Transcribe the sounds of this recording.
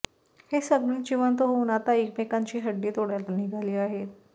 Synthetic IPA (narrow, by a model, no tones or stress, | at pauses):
hesəd̪mint͡ɕiʋənt̪oɦonat̪aikmekaɲt͡ɕiːɦəɖːiːt̪oɽjalaniɡʱaliːaɦet̪̚